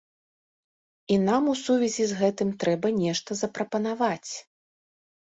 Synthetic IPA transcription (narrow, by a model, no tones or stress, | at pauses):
inamusuvʲɛzʲizɣɛt̪ɨmt̪ɾɛbɐnʲɛʂt̪ɐzɐpɾɐpɐnavat͡sʲ